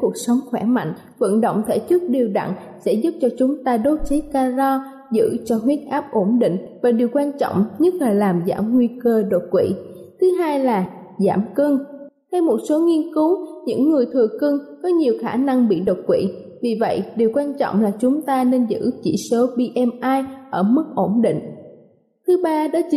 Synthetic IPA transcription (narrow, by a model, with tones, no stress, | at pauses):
ku˨˩ək̚sə˨˦wŋ͡mxwɛ˧˩ma̰˧˨jŋ̟ | və̰˧˨nɗo̰˧˨wŋ͡mt̪ʰe˧˩t͡ɕɨ˦˥k̚ɗi˨˩əwɗa̰˧˨ŋ | sɛ̰˧˥zʊ˦˥p̚t͡ɕɔ˧t͡ɕʊ˨˦ŋ͡mt̪aː˧ɗo˨˦˥t̚t͡ɕe˨˦kaː˧zɔ˧ | zɨ̰˧˥t͡ɕɔ˧ɦwi˦˥ət̚ʔaː˦˥p̚ʔo˧˩nɗḭ˧˨ŋ̟vaː˨˩ɗi˨˩əwkwaː˧nt͡ɕɔ̰˧˨wŋ͡mɲɨ˦˥t̚laː˨˩laː˨˩mza̰ː˧˩mŋwi˧kəː˧ɗo˨˩t̚kwḭ˧˨ | t̪ʰɨ˨˦ɦaː˧jlaː˨˩ | zaː˧˩mkɨ˧ŋ | t̪ʰa˧jmo˨˩t̚so˨˦ŋi˧ənkɨ˨˦wɲɨ̰˧˥ŋːɨ˨˩əjt̪ʰɨ˨˩əkɨ˧ŋkɔ˨˦ɲi˨˩əwxaː˧˩na˧ŋɓḭ˧˨ɗo˨˩t̚kwḭ˧˨vi˨˩və̰˧˨jɗi˨˩əwkwaː˧nt͡ɕɔ̰˧˨wŋ͡mlaː˨˩t͡ɕʊ˨˦ŋ͡mt̪aː˧ne˧nzɨ̰˧˥t͡ɕḭ˧˩so˨˦ɓi˧ʔɛ˧mʔaː˧jʔəː˧˩mɨ˦˥k̚ʔo˧˩nɗḭ˧˨ŋ̟ | t̪ʰɨ˨˦ɓaː˧ɗɔ˨˦t͡ɕ